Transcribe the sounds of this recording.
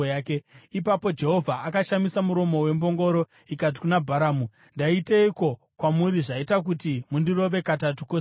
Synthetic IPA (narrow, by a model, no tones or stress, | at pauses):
aːke̞ipapo̞d͡ʒe̞ɦo̞vʱaʔakaʃamisamuɾo̞mo̞we̞mbo̞ŋɡo̞ɾo̞ | ikat̬i̥kunabʱaɾaːmu | ndaiteiko̞ | kwamuɾiʐaitak̬utimundiro̞ʋe̞katatukos